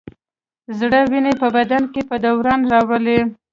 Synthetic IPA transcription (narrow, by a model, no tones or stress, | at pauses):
zɽəwinepəbad̪ankepəd̪awɾɑnɾɑwəle